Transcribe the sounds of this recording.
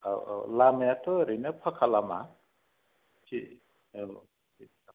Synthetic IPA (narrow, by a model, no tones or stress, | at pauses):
a̰lamjatɔɾɯjnɯpʰakʰalama̰ | kʰi | i